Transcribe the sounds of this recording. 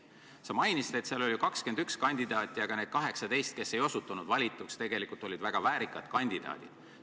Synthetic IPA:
sɑmɑjnisit̪e̞t̪selo̞lʲjukɑkske̞nd̪ykskɑnʲd̪̥id̪̥ɑːt̪ʲːˑijɑɡ̥ɑne̞ːd̪̥̚kɑɦe̞ksɑd̪e̞jst̪̚ke̞sːe̞jo̞sut̪ːˑunud̪vɑlʲit̪ːˑukst̪e̞ɡe̞likult̪ˑo̞lʲid̪̥væɡ̥ɑvæːɾikːˑɑd̪̥kɑnʲd̪̥id̪ɑ̰ːd̪̥id̪̥

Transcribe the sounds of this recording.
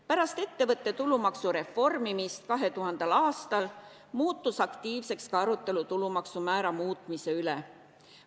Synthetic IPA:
pæɾɑst̪e̞t̪ːe̞vɤt̪ːˑe̞t̪ulumɑksuɾe̞fo̞rmimist̪̚kɑɦe̞t̪uɦɑnd̪̥ɑlɑːst̪ɑl | muːt̪ˑːusɑkt̪iːvse̞kskɑɑɾut̪ːˑe̞lut̪ulumɑksumæːɾɑmuːt̪mise̞yle

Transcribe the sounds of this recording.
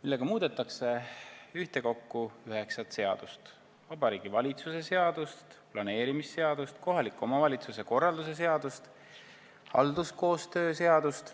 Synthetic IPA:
milːeɡ̥ɑmuːd̪̥et̪ːˑɑkse̞yht̪e̞ko̞kːuyɦe̞ksɑt̪se̞ɑ̰d̪̥ust̪ | vɑb̥ɑɾiːɡ̥ivɑlʲit̪suse̞se̞ɑd̪̥ust̪plɑne̞ːɾimisːe̞ɑd̪̥ust̪ko̞ɦɑlikːˑo̞mɑvɑlʲit̪suse̞ko̞rˑːɑld̪use̞s̬e̞ɑd̪ust̪ | ɑ̰ld̪usko̞ːst̪ø̞ːse̞ɑd̪̥ust̪

